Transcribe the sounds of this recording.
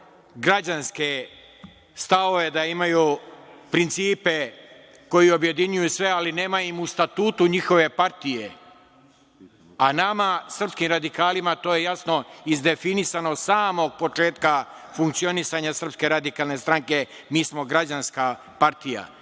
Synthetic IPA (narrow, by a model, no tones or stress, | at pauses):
ɡɾad͡ʑanske̞ | st̪ao̞ʋe̞d̪aimajuːpɾint̪siːpe̞ | ko̞jio̞bje̞d̪iɲujusʋe̞aline̞ːmaimust̪at̪uːt̪uɲixo̞ʋe̞paɾt̪ije̞ | anamasr̩pskimɾad̪ikaːlimat̪o̞ːje̞jasno̞izd̪e̞finisanosaːmo̞ɡ̚po̞t͡ʃe̞ːt̪kafuŋk̚t̪sio̞nisaɲasr̩pske̞ɾad̪ikaːlˠne̞st̪ɾaŋke̞ | miːsmo̞ɡɾad͡ʑanska | paɾt̪ija̰